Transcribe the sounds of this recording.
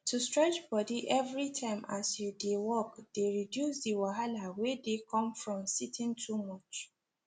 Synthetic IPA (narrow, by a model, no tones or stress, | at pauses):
tustɹɛt͡ʃbɔdiʔɛvɹitʰãɪ̃masjudewɔkd̥eɹidjusdiwaɦalawɛdekʰɔ̃mfɹɔ̃msitʰɪ̃ntʰumɔt͡ʃ